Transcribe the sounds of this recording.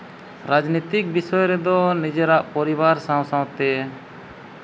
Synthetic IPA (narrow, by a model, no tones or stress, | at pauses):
ɾad͡ʒnit̪ik̚bisɔjɔɾɛd̪ɔnid͡ʒeɾaʔpɔɾibaɾsãw̃sãw̃t̪ɛ